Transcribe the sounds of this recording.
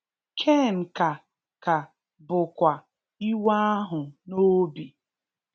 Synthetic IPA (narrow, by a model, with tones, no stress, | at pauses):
kʰe˦˨ŋ̩˨ka˨ | ka˨ | bʊ˨kʷa˨ | i˦wa˦a˦ɦʊ˨no˦bi˨